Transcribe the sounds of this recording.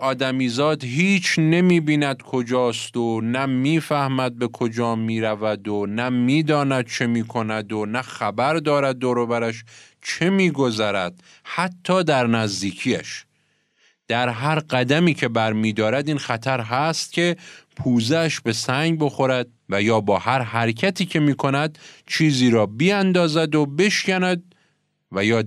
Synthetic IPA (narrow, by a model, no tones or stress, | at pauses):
ɒːd̪æmiːzɒːd̪ɦiːt͡ʃʰne̞miːbiːnæd̪kʰo̞d͡ʒɒːst̪onæmiːfæhmæd̪̚be̞kʰo̞d͡ʒɒːmiːɾævæd̪onæmiːd̪ɒːnæd̪̥̚t͡ʃʰe̞miːkʰo̞næd̪onæxæbæɾd̪ɒːɾæd̪̚ːoːɾobæɾæʃ | t͡ʃʰe̞miːɡo̞zæɾæd̪̥̚ | hæt̪ʰːɒːd̪æɾnæzd̪iːcʰijæ̰ʃ | d̪̥æɾɦæɾɢæd̪æmiːcʰe̞bæɾmiːd̪ɒːɾæd̪iːnxæt̪ʰæɾɦæst̪̚cʲʰe̞pʰuːzeːʃbe̞sæŋɡɟbo̞xo̞ɾæd̪̚ | væjɒːbɒːhæɾɦæɾcʰæt̪ʰiːcʰe̞miːkʰo̞næd̪̥t͡ʃʰiːziːɾɒːbiænd̪ɒːzæd̪obe̞ʃcænæd̪̚ | væjɒː